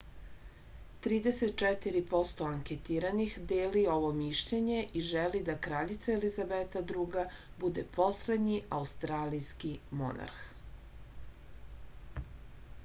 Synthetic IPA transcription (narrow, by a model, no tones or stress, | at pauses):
t̪ɾiːd̪eset̪̚t͡ʃɛt̪iɾipo̞st̪o̞aŋkʲet̪iːɾanixd̪eːlio̞ʋo̞miʃʎeɲe̞ʔiʒelid̪akɾaʎit̪saelizabet̪ad̪ɾuːɡa | bud̪ḛpʰo̞sle̞d̪ɲiaust̪ɾaːlijskimo̞̰na̰ɾx